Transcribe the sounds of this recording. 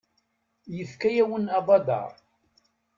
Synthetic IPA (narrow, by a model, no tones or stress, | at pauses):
jəfkæjæwənɑbɑd̪ɑ̰ɾˤ